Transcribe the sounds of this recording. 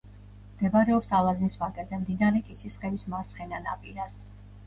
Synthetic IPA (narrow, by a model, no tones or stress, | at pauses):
md̪̥ɛbaɾɛɔpsalˠaznisvakʼɛzɛmd̪inaɾɛkʼisisχɛvismaɾt̪sʰχɛnana̰pʼiɾas